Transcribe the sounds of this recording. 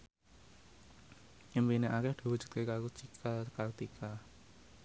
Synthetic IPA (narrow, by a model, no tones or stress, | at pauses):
ʔimpineʔakɛhd̪̥i̤wud̥ʒ̥u̥t̪̚kekakut͡ʃikʰakart̪ikʰa